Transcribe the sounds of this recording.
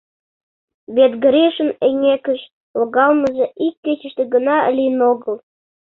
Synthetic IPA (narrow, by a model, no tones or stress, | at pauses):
βet̪ɡə̆ɾeʃə̆neŋekə̆ʃ | loɣɑlməʒĕʔikːet͡ɕə̆ʃt̪ĕɡənɑə̰lʲinoɣəl